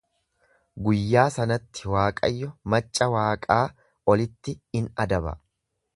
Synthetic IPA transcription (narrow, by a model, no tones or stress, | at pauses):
ɡʊjːaːsɐnɐt̪ːɪ̥waːkʼɐ̰jːɔmɐt͡ʃʼːɐwaːkʼaː | ɔlɪt̪ːɪɪnɐd̪ɐbɐ̰